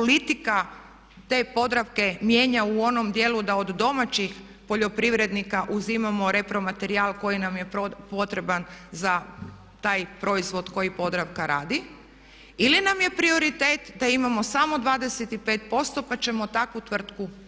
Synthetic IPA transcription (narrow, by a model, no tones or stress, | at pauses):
polit̪ika | t̪e̞ːpo̞d̪ɾaʋke̞mje̞ːɲauo̞no̞md̪je̞lud̪aod̪ːo̞mat͡ɕix | po̞ʎo̞pɾiʋɾe̞d̪nikaʔuzimamo̞ɾe̞pɾo̞mat̪e̞ɾialˠko̞jinamjepo̞t̪ɾe̞banza | t̪aːjpɾo̞izʋo̞d̪ko̞jipo̞d̪ɾaʋkaɾaːd̪i | ilinamje̞pɾio̞ɾit̪e̞ːt̪d̪aimamo̞samo̞d̪ʋaːd̪e̞se̞t̪ipe̞ːt̪̚po̞st̪o̞pat͡ʃe̞mo̞t̪akʋut̪ʋr̩t̪ku